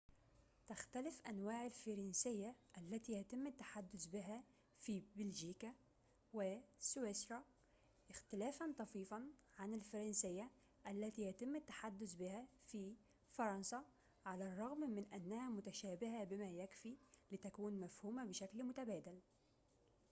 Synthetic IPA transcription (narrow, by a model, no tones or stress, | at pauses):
t̪axt̪alɪfʔanwaːʕalfɑɾˤɑnsɪjːaʔalːæt̪iːjat̪ɪmːɪt̪ːḁħad̪ːʊsbɪɦæ | fibɪlʒiːka | wɪsʊwesɾˤɑ | ʔɪxt̪ɪlæːfant̪ˤɑfiːfɑnʕanɪlfɑɾˤɑnsɪjːa | ʔalːæt̪iːjat̪ɪmːɪt̪ːḁħad̪ːʊsbɪhafi | fɑɾˤɑnsa | ʕalarˤːɑɣmmɪnʔanːæhamʊt̪aʃæːbɪɦabɪmæːjakfilɪt̪akuːnmafhuːmabɪʃaklmʊt̪abæːd̪al